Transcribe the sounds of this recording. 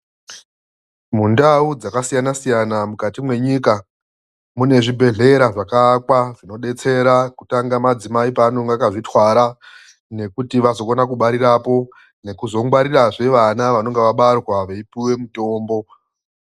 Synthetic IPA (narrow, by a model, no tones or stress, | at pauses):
mundaud͡zakasijanasijanamukatimwe̞ɲika | mune̞ʐibʱe̞ɮe̞ɾaʐakaːkwaʐino̞ɗe̞t͡se̞ɾakutaŋɡamad͡zimaipanoŋɡakaʐitwaɾa | ne̞kutiʋazo̞konakuɓaɾirapo̞ | ne̞kuzo̞ŋɡwaɾiraʐe̞ʋanaʋano̞ŋɡeʋaɓarɣwaʋeipiwe̞muto̞ːmbo̞